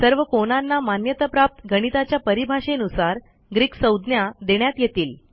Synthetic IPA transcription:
səɾʋəkonanːamanjət̪əpɾap̚t̪ɡʱəɽ̃it̪at͡ɕjapəɾibʱaɕenusaɾ | ɡɾiːksəwd̪njad̪eɽjat̪jet̪iːl

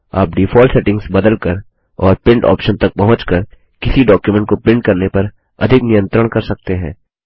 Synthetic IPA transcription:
a̰ːp̚ɖiːfɔːlseːʈɪ̃ŋɡzbɐd̪əlkəɾ | ɔːɾpɪ̃ɳʈɔ̰ːpʃənt̪ɐk̚pɐɦʊ̃t͡ʃkəɾ | kɪsiɖɔːkjumɛ̃ɳʈ̚kopɪ̃ɳʈ̚kɐɾnepɐɾ | ɐ̰d̪ʱɪknijə̃nt̪ɾəɽ̃kɐɾsɐk̚t̪eɦɛ̰̃ː

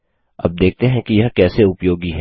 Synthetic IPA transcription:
ɐ̰b̚d̪eːk̚ʰt̪eɦɛ̃kijɐɦkɛːseʊpjoːɡiɦɛː

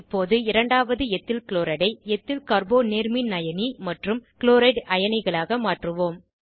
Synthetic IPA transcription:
pːoːðɯɪɾɐɳɖaːʋɐðɯɛt̪ːɪlkɭoːɾɐɽɐɪɛt̪ːɪlkɐɾboːneːɾminɐjɐnimɐʈrɯmkɪɭoːɾɐɪɖɐjɐnɐɪɣɐɭaːɣɐmaːʈrɯʋoːm

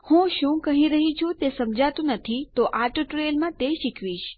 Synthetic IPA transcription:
hũʃũkəɦĩɾəɦit͡ʃʰũt̪esəmd͡ʒʱat̪ũnət̪ʰit̪oʔaʈʈɾelmãt̪eʃikʰʋiʃ

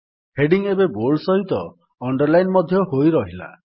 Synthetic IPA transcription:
heɖiŋebebolsɔɦit̪ɔː | ɳɖɔɾlajnmɔd̪ʱjɔɦojɾɔɦila̰

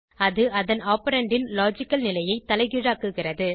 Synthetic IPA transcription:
ɐðɯʔɐðɐnaːpɐɾɐɳɖɪnlaːd͡ʒɪkːɐlnɪlɐjɐɪt̪ːɐlɐɪɣɪɻaːkːɯɣɪrɐðɯ

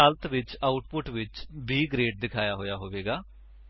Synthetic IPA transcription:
əlt̪ʋɪt͡ʃaːʊʈpʊʈʋɪt͡ʃbiːɡɾeːʈ̚d̪ɪkʰaːjaːɦoːjaːɦoːʋeːɡaː

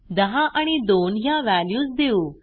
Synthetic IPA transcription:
d̪əɦãʔaɽ̃id̪onjãʋæljuːsd̪euː

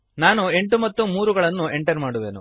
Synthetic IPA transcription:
naːnue̞ɳʈumɐt̪ːumuːɾuɡɐɭɐnːue̞ɳʈɐɾmaːɽuʋe̞̰ːnṵ

